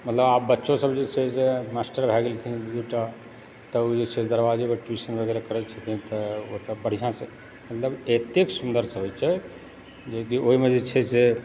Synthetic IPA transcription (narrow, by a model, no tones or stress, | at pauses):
mət̪ləbabːətːʃõsəbd͡ʒet͡ʃʰɛsemasʈəɾbʱɛɡelt̪ʰiduʈa | t̪əod͡ʒet͡ʃʰɛd̪əɾbad͡ʒimeʈisənbʱəɡɛɾekəɾɛt͡ʃʰət̪ĩt̪ɔot̪əbəɽ̤ijãse | mət̪ləbet̪eksund̪əɾsəɦojt͡ʃʰɛ | d͡ʒek̬ioɦimed͡ʒet͡ʃʰɛse